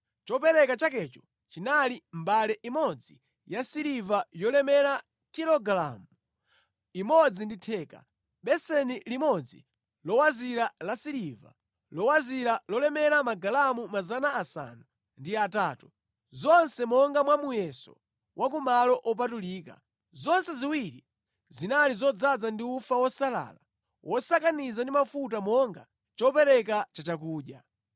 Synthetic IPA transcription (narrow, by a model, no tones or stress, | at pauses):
t͡ʃɔpɛɾɛkat͡ʃakɛt͡ʃɔ | t͡ʃinalimbalɛʔimɔd͡zi | jasiɾivajɔlɛmɛɾa | kilɔɡlamu | imɔd͡zinditʰɛːka̰ | ɓɛsɛnilimɔd͡zḭ | lɔwaziɾalasiɾiva̰ | lɔwaziɾalɔlɛmɛɾamaɡalamumazanaːsa̰nu | ndiataːtu | zɔnsɛmɔŋɡamwamujɛsɔ̰ | wʔakumalɔʔɔp̬atuliːka̰ | zɔnsɛziwiɾi | zinalizɔd͡zad͡zandiufawɔsala̰ːla | wʔɔsakanizandimafut̬amɔŋɡa̰ | t͡ʃɔpɛɾɛkat͡ʃat͡ʃak̬uːɗa